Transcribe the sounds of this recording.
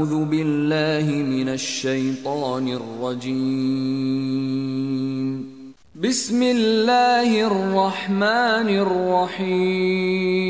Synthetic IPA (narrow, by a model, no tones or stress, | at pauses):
ðʊbɪlːaːhɪmɪnaʃːajt̪ˤɑːnɪrˤːɑd͡ʒiː | m | bɪsmɪlːaːhɪrːɑħmaːnɪrːɑħiː